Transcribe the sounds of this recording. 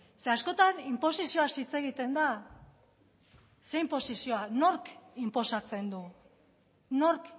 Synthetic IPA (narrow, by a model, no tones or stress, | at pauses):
se̞asko̞t̪animpo̞sisio̞asit͡se̞ɣ̞it̪e̞nd̪a | se̞impo̞sisio̞ano̞ɾkimpo̞sat͡se̞nd̪u | no̞ɾk